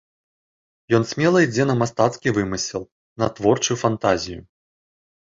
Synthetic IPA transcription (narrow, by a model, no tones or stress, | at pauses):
jɔnsʲmʲɛlˠɐid͡zʲɛnɐmast̪at̪skʲivɨmɨsʲɛlˠ | nɐt̪vɔrt͡ʂujufant̪azʲiju